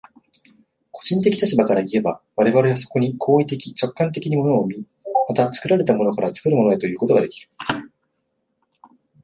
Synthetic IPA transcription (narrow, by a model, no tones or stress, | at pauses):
ko̞ʑĩnt̪̬e̞kʲi̥t̪at͡ɕibakaɾaie̞baβaɾe̞βaɾe̞βas̬o̞̥ko̞ɲ̟ikʰo̞ːit̪e̞kʲit͡ɕo̞kːãnt̪̬e̞kʲiɲ̟imo̞no̞ːmʲi | mat̪at͡sɨ̥kɯ̟ɾaɾe̞t̪amo̞no̞kaɾat͡sɨ̥kɯ̟ɾɯ̟mo̞no̞e̞t̪o̞jɯ̟ːko̞t̪o̞ɡa̰d̪e̞kʲi̥ɾɯ̟